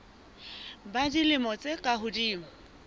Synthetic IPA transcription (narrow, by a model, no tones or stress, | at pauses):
badilɪmɔt͡sʼekʼaɦʊdiːŋ̩